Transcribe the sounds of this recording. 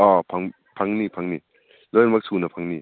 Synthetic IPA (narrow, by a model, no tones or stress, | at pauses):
ɔpʰaŋ | pʰaŋnipʰaŋni | lɔjnmak̚sunɐpʰaŋni